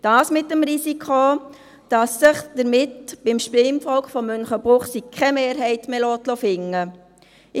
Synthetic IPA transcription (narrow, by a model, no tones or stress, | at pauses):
d̥ɑːsmɪt̚dəmɾisikʰo | d̥ɑsːəχd̥əɾmɪtb̥ɪmʃpɪmfɔlkχfɔmːʏnχəb̥ʁʊχsikʰɛmeːɾɦɛɪtmelɔːtlɔfɪŋːə